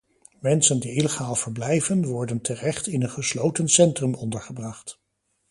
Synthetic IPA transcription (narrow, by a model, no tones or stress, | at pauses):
mɛnsəndiiləχaːlˠv̥əɹblɛjvənʋɔɹdəntʰərɛχtɪnənχəslowtənsɛntrɵmɔndəɹχəbrɑχt